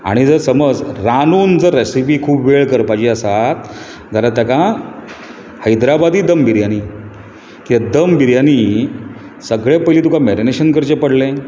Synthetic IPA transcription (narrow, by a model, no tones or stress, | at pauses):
a̰ɽ̃id͡zəɾsəməd͡zɾanuːnd͡zəɾɾɛsipiːkʰuːbʋeɭkəɾpat͡ɕiːəsat̪ | d͡zaɾat̪jakã | həjd̪ɾabad̪iːd̪əmbiɾjaniː | kiad̪əmbiɾjaniː | səɡɭepəjliːt̪ukamɛɾineɕənkəɾt͡ɕepəɽlẽ